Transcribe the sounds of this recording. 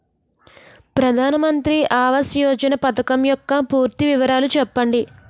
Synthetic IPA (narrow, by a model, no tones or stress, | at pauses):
pɾɐd̪ʱaːnɐmɐnt̪ɾiʔaːʋɐsjoːd͡ʒɐnɐpɐt̪ɐkɐmjɔkːɐpuːɾt̪iʋiʋɐɾaːlut͡ʃɛpːɐɳɖi